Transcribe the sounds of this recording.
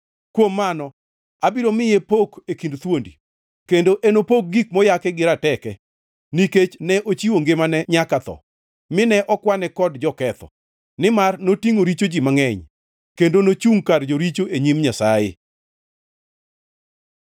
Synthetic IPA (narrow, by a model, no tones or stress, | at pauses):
kwomːanɔ | abiɾomɪjepokekindt̪wondi | kendoʔenopok̚ɡik̚mɔjakɛɡɪɾatɛkɛ | niket͡ʃnɛʔot͡ʃiwoŋɡɪmanɛɲakat̪ɔ̰ | mɪnɛʔɔkwanɛkɔdd͡ʒɔkɛt̪ɔ̰ | nɪmarnotiŋoɾit͡ʃod͡ʒimaŋɛɲ | kendonot͡ʃuŋkard͡ʒoɾit͡ʃoʔeɲimɲasajɪ̰